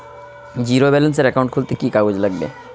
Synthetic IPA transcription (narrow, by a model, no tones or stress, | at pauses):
d͡ʑiɾobɛlenseɾɛkawɳʈkʰult̪ekikaud͡ʑlaɡbḛ